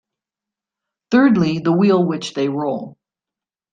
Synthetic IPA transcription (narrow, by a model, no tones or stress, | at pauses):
θɜ˞dˡliðəwilˠwɪt͡ʃðeɪɹoʊlˠ